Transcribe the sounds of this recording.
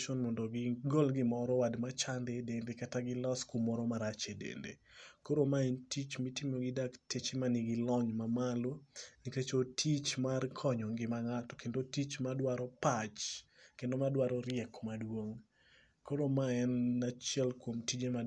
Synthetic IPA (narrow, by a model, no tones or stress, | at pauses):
ʃɔnmɔndɔɡɪɡolɡɪmɔɾɔwadmat͡ʃandedendekataɡɪlɔskumːɔɾɔmaɾat͡ʃedḛndḛkoɾomaɛntit͡ʃmitimoɡɪdaktet͡ʃemanɪɡɪlɔɲmamaloniket͡ʃotʰit͡ʃmarkʰɔɲɔŋɡɪmaŋatɔ̥kendotit͡ʃmadwaɾɔpat͡ʃkendomadwaɾɔɾɪɛkmadwoŋ | koɾomaɛnat͡ʃjɛlkwomtid͡ʒema